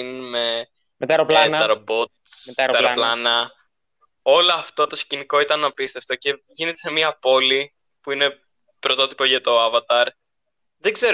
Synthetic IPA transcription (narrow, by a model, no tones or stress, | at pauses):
nme | t̪ɐɾɐɾobot̪t̪t̪ɐɾolɐnɐ | o̞loɐft̪o̞t̪o̞sciniko̞it̪ɐnːɐpist̪eft̪o̞ce̞ʝine̞t̪ese̞miɐpo̞li | puine̞ | pɾo̞t̪o̞t̪i̥po̞ʝɐt̪o̞ɐvɐt̪ɐɾ | ðeɡze̞ɾ